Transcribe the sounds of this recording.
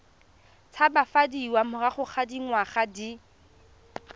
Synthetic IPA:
t͡sʰabafadiwamʊraχʊχʰadiŋwaχadi

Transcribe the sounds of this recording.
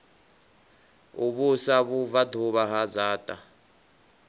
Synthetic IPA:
uɓusaβuvadʱuβaɦazaːtʼa

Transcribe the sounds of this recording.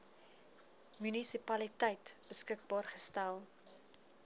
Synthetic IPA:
mynisipɐlitəjtb̥əskək̚bɑːrχəstælˠ

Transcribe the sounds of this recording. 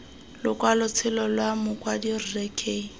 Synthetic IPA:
lʊkʼwalʊt͡sʰɪlɔlwamʊkʼwadirirɛkʰʼeː

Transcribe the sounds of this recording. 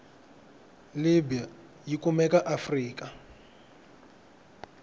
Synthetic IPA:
libija | jikumɛkaʔafriːk̬ʼa

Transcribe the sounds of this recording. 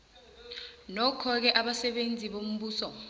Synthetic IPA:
nɔkʰɔk̬ɛʔaɓasɛɓend͡zʱiɓom̩ɓuːsɔ

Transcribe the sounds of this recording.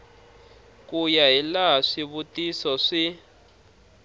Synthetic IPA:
kujaɦilaɦaʂiβutisɔʂi

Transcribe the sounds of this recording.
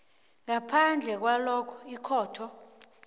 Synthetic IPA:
ŋapʰand͡ɮʱɛk̬walɔkʰɔ̥ikʰɔːtʰɔ

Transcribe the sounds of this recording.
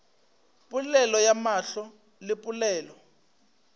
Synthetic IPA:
pʼulɛlɔjamaɬɔ | lɪpʼulɛːlɔ

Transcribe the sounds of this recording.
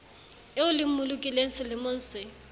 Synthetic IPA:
eʊlɪm̩mʊlʊkʼileŋ̩sɪlɪmʊn̩ːsɪ

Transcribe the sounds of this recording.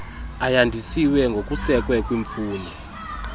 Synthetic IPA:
ajandʱisiwɛŋɡʱok̬ʼusɛk̬ʼwɛk̬ʼwiɱfuːni

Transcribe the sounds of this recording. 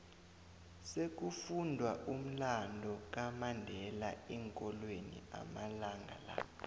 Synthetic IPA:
sek̬ufundʱwaʔum̩landʱɔk̬ʼamandʱɛlaɛŋkʼɔlwenḭa̰malaŋɡʱa̰la̰

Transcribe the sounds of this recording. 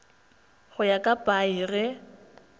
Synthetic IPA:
ɣʊjakʼapʼairɪ

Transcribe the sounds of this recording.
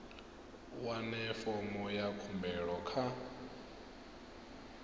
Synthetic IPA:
wanɛfɔmɔjakʰumbɛɺɔkʰa

